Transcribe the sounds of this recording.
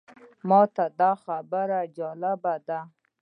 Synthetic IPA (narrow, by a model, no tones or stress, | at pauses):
mɑt̪ad̪ɑxabəɾad͡ʒɑlɪbad̪a